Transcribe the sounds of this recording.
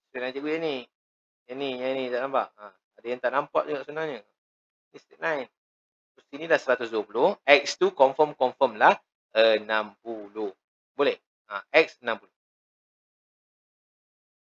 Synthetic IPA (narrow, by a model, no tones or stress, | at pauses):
st̪ɾit̪̚najd͡ʒəɡujani | janijanĩt̪aʔnãmpaʔa | adajaŋt̪aʔnampat̚uɡaʔsunaɲə | ist̪ɾit̪̚najn | osinilahsəɾat̪us̬duwəpulohɛk̚st̪ukɔɱfəmkɔɱfəmlah | ənãmpulo | bolɛh | aɛk̚sənãmpulo